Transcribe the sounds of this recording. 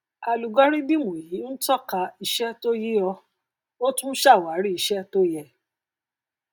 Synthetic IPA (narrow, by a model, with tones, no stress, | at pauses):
a˨lu˨ɡɔ˦ɾi˦di˦mũ˨ji˨˦n̩˦tɔ˦˨ka˧i˧ʃɛ˦to˦ji˦ɔ˧ | o˦tũ˦ʃa˦˨wa˨˦ɾi˦i˧˨ʃɛ˦to˦jɛ˧